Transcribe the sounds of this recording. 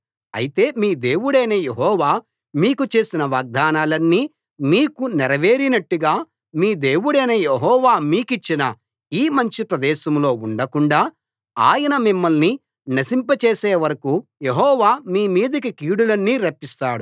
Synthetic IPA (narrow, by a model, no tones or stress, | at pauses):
ɐ̰jit̪e̞ːmiːd̪e̞ːwuɽeːnejeɦɔːʋaː | miːkut͡ʃe̞ːsinɐʋaːɡ̚d̪ʱaːnaːlɐnːiː | miːkunɛɾɐʋe̞ːɾinɐʈːuɡaː | miːd̪e̞ːwuɽeːnɐjeɦɔːʋaːmiːkit͡ʃːinɐ | iːmɐɲt͡ʃipɾɐd̪ɛːʃɐmlo̞ːuɳɖɐkuɳɖaː | aːjɐnɐmimːɐlni | nɐsimpɐt͡ʃe̞ːseːʋɐɾɐkuje̞ɦɔːʋaːmiːmiːd̪ɐkikiːɽulɐnːiːɾɐpːist̪aːɽu